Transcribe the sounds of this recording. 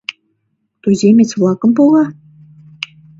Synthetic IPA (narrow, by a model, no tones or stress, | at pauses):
t̪uzʲemʲet͡svlˠɑkɤ̆mpolɑ